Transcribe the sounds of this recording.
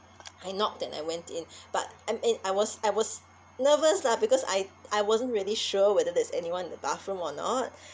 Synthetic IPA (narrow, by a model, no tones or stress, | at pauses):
ajnɔk̚d̥ɛ̃na̰jwɛ̃ntĩnb̥at̚amɛ̃naɪwɔsaɪwɔs | nəvəsnabikɔsa̰jajwɔzə̃ntɹiəliʃuəwɛdədɛsɛ̰niwãnĩndəbaθɹũmɔnɔ̰t̚